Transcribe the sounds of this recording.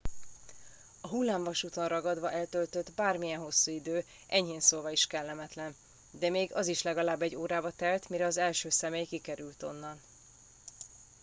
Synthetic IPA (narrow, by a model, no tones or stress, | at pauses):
ɒɦulːaːɱvɒʃut̪o̞nrɒɡɒd̪vɒʔɛlt̪ølt̪ød̪baːrmijɛnɦo̞sːuːid̪øː | ʔɛɲheːnsoːlvɒiʃkɛlːɛmɛt̪lɛn | d̪ɛmeːɡɒziʃlɛɡɒlaːbːɛɟːoːɾaːbɒt̪ɛlt̪miɾɛɒzɛlʃøːsɛmeːjkikɛɾylt̪o̞̰nːɒn